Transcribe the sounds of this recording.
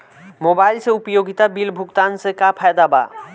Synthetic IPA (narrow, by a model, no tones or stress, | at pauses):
mobajlseupojoɡit̪abilbʱukt̪ansekapʰaed̪aba̰